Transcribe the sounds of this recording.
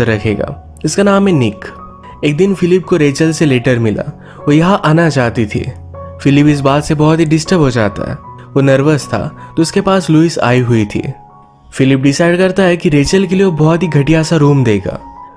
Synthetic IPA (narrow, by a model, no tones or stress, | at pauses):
əɾːɐkʰḛːɡa̰ː | ɪskanaːmɦɛnɪk | eːk̚d̪ɪnfɪlɪp̚koɾeːt͡ʃəlseleːʈəɾmɪla̰ | ʋojɐɦãʔaːnat͡ʃaːɦt̪it̪ʰḭ | fɪlɪpɪs̬baːt̪sebɔɦɔt̪ɦiɖɪsʈəpɦod͡ʒa̰ːt̪a̰ɦɛ̰ː | ʋonɐɾʋəzt̪ʰa̰t̪oʊskepaːsluːɪsa̰ːiɦʊit̪ʰḭː | fɪlɪpɖɪsaːɪɖkɐɾt̪aɦɛkiɾeːt͡ʃəlkelieʋobɔɦt̪ɦiɡʱɐʈijasaɾuːmd̪eːɡa̰ː